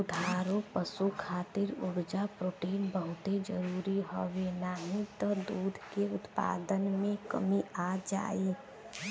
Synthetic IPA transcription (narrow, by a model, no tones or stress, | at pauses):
ʊd̪ʱaːɾõpəsukʰaːt̪ɪɾʊɽd͡ʒapɾoːʈeːnbəɦʊt̪ed͡ʒəɾuːɾiɦowenaɦĩt̪ɔd̪uːd̪ʱkeʊt̪pa̰ːd̪ənmẽkə̰miaːd͡ʒa̰ːe